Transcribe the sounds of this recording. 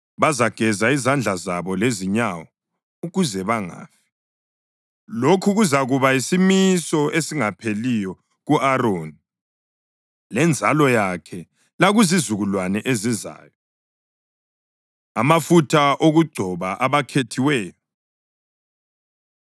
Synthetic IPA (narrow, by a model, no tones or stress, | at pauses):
βazaɡ̥ʱɛzaizand͡ɮʱazaβɔleziɲawɔ | uɣuzɛβaŋa̰ːfi̥ | lokʰuɣuzaɣuβaisimisɔʔesiŋapʰelijɔ | ɣuʔaɾoni | lɛnd͡zʱalɔjakʰɛ | laɣuzizuɣulwanɛʔeziza̰ːjɔ | amafutʰaʔoɣuɡ͡ǀʱɔβaʔaβakʰetʰiwɛːjɔ